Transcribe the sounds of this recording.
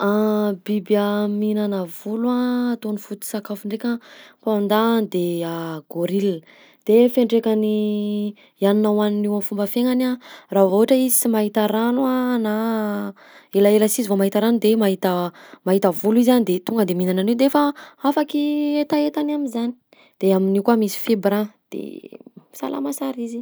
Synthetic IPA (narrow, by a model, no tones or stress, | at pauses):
abibaminanəvuluat̪onifut̪i̥sakafiɳɖ͡ʐekʲəpaand̪and̪eaɡ̥oɾil | d̪̥efeɳɖ͡ʐekani | janinawaninewamfumbəfeŋanaravooaʈ͡ʂəizi̥simaɦit̪aɾanwana | elaeləsizivomaɦit̪aɾanud̪emaɦit̪əmaɦit̪əvuluizianid̪et̪uŋɡəd̪eminananed̪eefaafakiet̪aet̪anamizani̥ | d̪̥eaminikwamisi̥febɾãd̪̥ḛsa̰lʔa̰masaɾizi